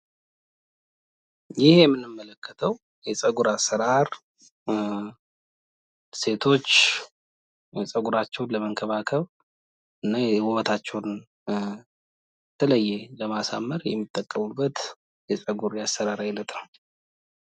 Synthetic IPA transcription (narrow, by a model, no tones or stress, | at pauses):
jɪhjɛmːɨnɨmːələkʰːət̪ʰəw | jɛsʼəɡuɾasːəɾaɾ | se̞t̪ʰo̞t͡ʃː | sʼəɡuɾat͡ʃːɛwnləməŋkʰəβakʰəβ | ɨnːawɔβət̪ʰat͡ʃːɛwn | t̪ʰələjːɛləmasa̰mːəɾjɛmːit̪ʼːəkʼːəmubːət̪ | jɛsʼəɡuɾjasːəɾaɾajɪlət̪nəw